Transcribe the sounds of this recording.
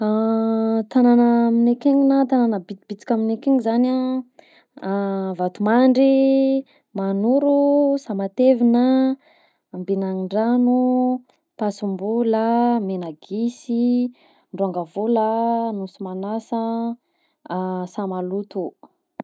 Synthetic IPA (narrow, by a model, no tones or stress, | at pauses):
a | t̪ananaminekeɲinat̪ananəbit̪ib̥it͡si̥kʲaminekeŋizana | vat̪umaɳɖ͡ʐi | manuɾusamat̪evinəː | mbinaŋiɳɖ͡ʐanu | pasumbulamenaɡisi | ɳɖ͡ʐaŋɡəvolanusumanasə | samalut̪u